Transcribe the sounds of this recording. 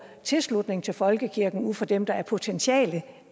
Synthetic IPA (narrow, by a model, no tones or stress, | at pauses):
t͡sʰe̝lslud̥ne̝ŋt͡sʰe̝lfɒ̽lɡ̥əkʰiɐɡ̥n̩uð̰ˠfɒ̽d̥emd̥ɑ̈æɐpʰo̝t͡sʰenɕʰɛ̰ːlə